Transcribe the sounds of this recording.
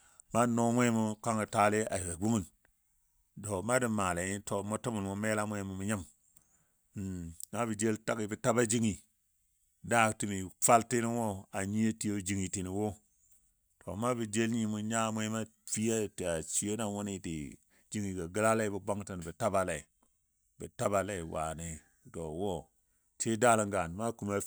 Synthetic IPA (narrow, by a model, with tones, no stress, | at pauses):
ma˦no˦mʷ˦e˦mu˦ka˦ŋi˨ta˦le˦a̰˨i˨ɡa˨ɡ͡bu˦ŋi˦n | do˨ma˦di˨ma˨la˨ji˦to˨mo˦ti˦mu˨lmu˦me˦la˦mʷwʷe˦mu˨mu˦ɲa˦m˨ | na˦bi˨d͡ʒe˦lta˦ki˦bi˦ta˦ba˦d͡ʒi˦ŋi˨ | da˦˨ti˨mi˨fa˦lti˦ni˦wo˦a˨ɲi˦e˦ti˦jo˦d͡ʒi˨ŋi˨ti˨ni˨wo˦ | to˨ma˦bi˨d͡ʒe˦lɲi˦mu˨ɲa˦mʷo˦ma˦ | fi˦ja˦˨ti˨a˨t͡ʃi˦e˦na˨wo˦ni˦tḭ˨ | d͡ʒi˦ŋi˨ɡa˨ɡi˦la˦le˦bi˨ba˦ŋta˨n˨bi˨ta˦ba˦le˨i˨ | bi˨ta˦ba˦le˦˨wa̰˨ne˨ | to˨wo˦ | tʰi˦da˦la˨ŋɡa˨n˨ma˦ku˨ma˨